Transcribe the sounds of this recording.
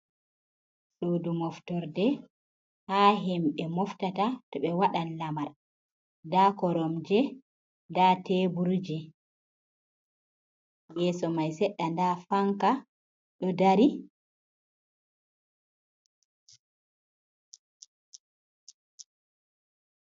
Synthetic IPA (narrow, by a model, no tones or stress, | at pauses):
ɗodumɔftɔɾdɛ | haːɦɛmɓɛmɔftatatɔɓɛwaɗanlamaɾ | dakɔɾɔmd͡ʒɛ | datɛbuɾd͡ʒɛ | jɛːsɔmajsɛɗːandafaŋka | ɗɔdaɾi